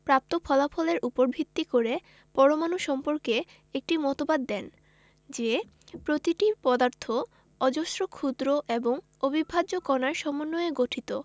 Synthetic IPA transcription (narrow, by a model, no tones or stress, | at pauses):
pɾap̚t̪opʰɔlafʰɔleɾʔupoɾbʱit̪ːikoɾe | pɔɾomanuʃɔmpoɾke | ek̚ʈimɔt̪obad̪ːɛn | d͡ʑe | pɾot̪iʈipɔd̪aɾt̪ʰo | ɔd͡ʑoʃɾokʰud̪ɾoʔeboŋ | obibʱad͡ʑokɔnaɾʃɔmonːoeɡoʈʰit̪o